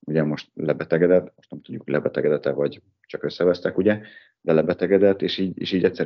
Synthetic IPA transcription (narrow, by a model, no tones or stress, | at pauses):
uɟɛmo̞ʃt̪lɛbɛt̪ɛɡɛd̪ɛt̪ːmo̞ʃt̪nɛmt̪uɟːuklʔɛbɛt̪ɛɡɛd̪ɛt̪ɛvɒɟ | t͡ʃɒkø̞sːɛvɛst̪ɛkuɟɛ | d̪ɛlɛbɛt̪ɛɡɛd̪ɛt̪ːeːʃiːɟḛːʃiːɟɛtʲsɛ